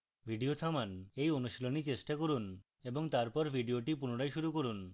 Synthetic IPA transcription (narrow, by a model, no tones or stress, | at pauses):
bʱiɖiot̪ʰamanejonuʃilonit͡ɕeʃʈakoɾun | eboŋt̪aɾpɔɾbʱiɖioʈip̬unoɽajʃuɾukoɾun